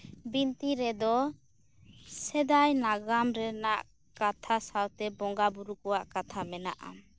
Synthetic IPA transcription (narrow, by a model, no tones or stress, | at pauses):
bint̪iɾɛd̪ɔ | sɛd̪ajnaɡamɾɛnaʔ | kat̪ʰasawt̪ɛbɔŋɡabuɾukɔwaʔkat̪ʰamɛna̰ʔa̰m